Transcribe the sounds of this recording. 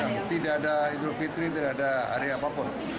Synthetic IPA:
amt̪idaʔadaid̪ɾofit̪ɾit̪̬idaʔadaa̰ɾeapapʊn

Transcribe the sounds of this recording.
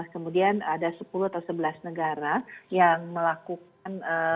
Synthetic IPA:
kəmudianadasəpuluhat̪awsəbəlasnəɡaɾajaŋməlakuk | anə

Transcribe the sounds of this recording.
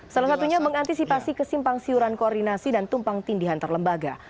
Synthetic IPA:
salasat̪uɲaməŋant̪isipasikəsimpaŋsiuɾankoɔrdinasidant̪umpaŋt̪indiɦant̪ərləmbaɡa

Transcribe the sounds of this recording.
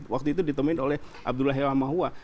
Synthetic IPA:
wak̚t̪uit̪udit̪əmuɪnolɛhʔa̰b̚dulaɦewamaɦua

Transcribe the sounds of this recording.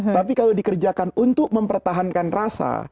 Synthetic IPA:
apikalawdikərd͡ʒakanunt̪ʊk̚məmpərt̪aɦankanrasa̰

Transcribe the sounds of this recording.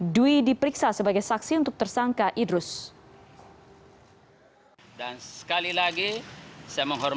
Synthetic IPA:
duidipəɾiksasəbaɡajsaksiunt̪ʊk̚t̪ərsaŋkaʔidɾʊs | dansə̥kalilaɡisajaməŋɦɔr

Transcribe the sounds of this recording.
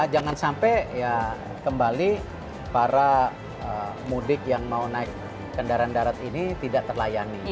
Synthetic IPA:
d͡ʒaŋansampɛja | kəmbali | paɾa | ə | mudɪkjaŋmaunaɪk̚ | kəndaɾandaɾat̪init̪idaʔt̪ərlajani

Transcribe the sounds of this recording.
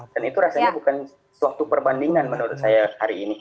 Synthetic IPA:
d̥anit̪uɾasajɲabukan | səwak̚t̪upərbandiŋanmənoɾʊt̪̚sajahaɾiːni

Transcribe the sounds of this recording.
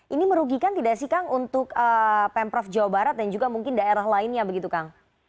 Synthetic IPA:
ʔiniməɾuɡikant̪idasihkaŋunt̪ʊkəpɛmpɾɔfd͡ʒawabaɾat̪̚dand͡ʒuɡamuŋkɪndaeɾaɦlaɪnɲabəɡit̪ukaŋ

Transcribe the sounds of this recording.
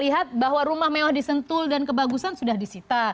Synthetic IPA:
liɦat̪̚baɦwaɾumahmewahdisənt̪ʊldankəbaɡusansudahdisit̪a

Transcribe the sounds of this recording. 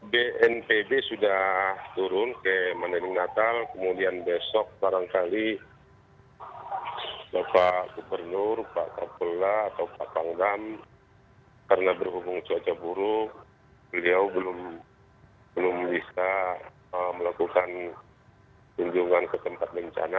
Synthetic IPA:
beʔɛnpebesudaht̪uɾʊnkamanalɪŋnat̪alkəmudianbesɔk̚baɾaŋkali | bapaɡubərnʊrpa̰ʔkapolaːt̪awpaʔpaŋdam | kaɾənabərɦubʊŋt͡ʃoat͡ʃabuɾʊk̚ | bəliawbəlʊm | bəlʊmbisa | əməlakukan | t̪uɲd͡ʒuŋankət̪əmpat̪̚bəɲt͡ʃa̰na

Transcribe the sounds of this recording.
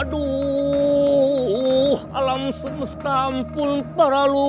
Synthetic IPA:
du | ha̰lamsməst̪ampunpaɾalu

